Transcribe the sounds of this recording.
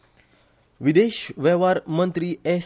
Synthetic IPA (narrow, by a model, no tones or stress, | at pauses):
wideʃwɛwaɾmə̃nt̪ɾiɛs